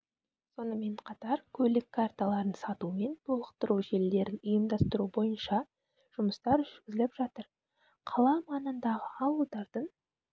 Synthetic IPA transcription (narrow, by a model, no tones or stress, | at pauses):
so̞nəme̞ɴqʰɑt̪ɑɾkʲʰɵlɪkʰːɑɾt̪alˠɑɾənsɑt̪ume̞nt̪ʰo̞lˠəq̚t̪əɾuʒe̞ld̪e̞ɾɪnʊjəmd̪ɑst̪əɾubo̞jənʃɑ | ʒ̥ʊməst̪ɑɾʏʒʏɾɡʲɪzɪlɪpʒɑt̪əɾ | qʰɑlˠɑmɑnənd̪ɑʁəɑwəlˠd̪ɑɾd̪̥əɴ